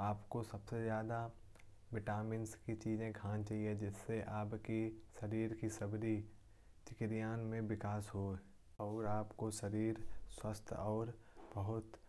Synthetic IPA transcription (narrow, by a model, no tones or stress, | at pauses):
aːpkosɐbsezjaːd̪a | bɪʈaːmɪnskit͡ʃiːzẽɡʰʱãːnt͡ʃaːɦied͡ʒɪsːeʔaːpkiʃɐɾiːɾkisɐbɾi | t͡ʃɪkɾijaːnmẽʋɪkaːsɦo | ɔːɾaːpkoʃɐɾiːɾswəst̪ʰɔːɾ | b̥ɐɦʊt̪